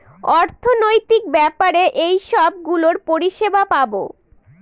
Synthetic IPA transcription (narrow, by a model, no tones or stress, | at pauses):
ɔɾt̪ʰonojt̪ik̚bɛpaɾeʔejʃɔb̚ɡuloɾpoɾiʃebapabo